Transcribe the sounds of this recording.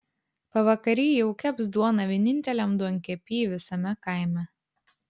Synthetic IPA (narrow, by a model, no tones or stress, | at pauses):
pɐʋɐkɐɾʲiːjɛʊkʲɛbsd̪uɔnɐʋʲiɛnʲɪnʲt̪ʲɛlʲɛmd̪uɔŋʲkʲɛpʲiːʋʲɪsɐmʲɛkɐˑɪmʲɛ